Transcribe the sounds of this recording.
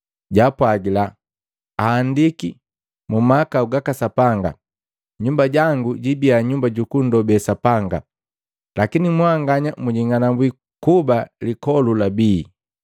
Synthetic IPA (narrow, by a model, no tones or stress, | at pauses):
ɟapwaɡila | aːndiki | mumakauɡakasapaŋɡa̰ | ɲumbaɟaŋɡuɟibiaɲumbaɟukundɔbɛsapaŋɡa | lakinimwaŋɡaɲamuɟiŋanambwi | kubalikɔlulabiː